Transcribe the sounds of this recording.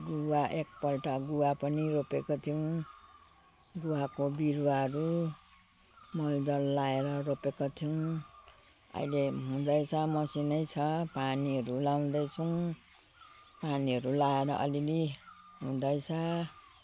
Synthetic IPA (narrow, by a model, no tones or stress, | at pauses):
ɡuwaʔek̚pʌlʈaɡuwapʌniɾopekot̪ʰijʌw̃ | ɡuwakobiɾwaɦʌɾu | mʌld̪ʌlːaeɾʌɾopekot̪ʰijʌw̃ | ʌ̰ileɦũd̪ʌjt͡sʰʌmʌsinʌjt͡sʰʌpaniɦʌɾulaw̃d̪ʌjt͡sʰʌw̃ | paniɦʌɾulaeɾʌ̰ʔʌ̰lili | ɦũd̪ʌjt͡sʰʌ